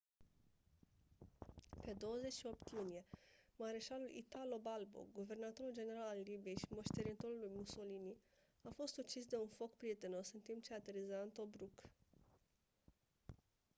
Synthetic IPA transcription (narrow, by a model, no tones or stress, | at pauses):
pe̞d̪o̞wəze̞t͡ʃʃio̞pt̪junije̞maɾeʃalulʔḭt̪alo̞balbo̰ɡuve̞rnat̪o̞ɾuld͡ʒe̞ne̞ɾalalːibije̞jʃimo̞ʃt̪e̞ɾint̪o̞ɾulujmuso̞lini | afo̞st̪ut͡ʃisd̪e̞unfo̞kpɾije̞t̪eno̞sɨnt̪impt͡ʃe̞at̪eɾezant̪o̞bɾuk